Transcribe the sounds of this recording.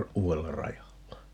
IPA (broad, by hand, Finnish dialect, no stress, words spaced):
uːelːɑ rɑjɑlːɑ